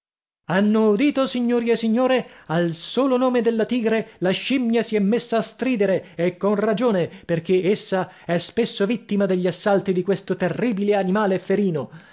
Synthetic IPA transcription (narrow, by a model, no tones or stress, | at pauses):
anːoud̪iːt̪osiɲːoːɾiesːiɲːoːɾealsoːlonoːmed̪elːat̪iːɡɾelaʃimːjasiɛmːesːaːst̪ɾiːd̪eɾeːkːonrad͡ʒoːneperk̟eesːa | ɛspesːovit̪ːimad̪eʎːiasːalt̪id̪ikwest̪ot̪erːiːbileanimaːlefeɾiːno